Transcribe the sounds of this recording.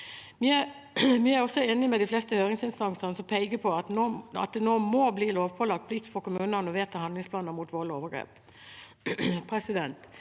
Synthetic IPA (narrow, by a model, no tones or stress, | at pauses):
ʋɪæ | ʋɪæɾɔsːɔeːnɪmɛd̪ɪflɛst̪əhøːɾɪŋsɪnst̪ɑŋsəʁnəsɔmpʰɛɪɡəpʰɔɑt̪noːɑ̰t̪̚d̪ɛnoːmɔːbliːloːʋpʰɔlɑɡ̚t̪̚pʰlɪkt̪fɔɾkʊmʉːnəʁnɔʋeːt̪ʰːɑhɑnd̪lɪŋspʰlɑːnəmuːt̪ʋoːloːʋəɡɾḛːp | pʰɾɛsɪd̪ɛnt̪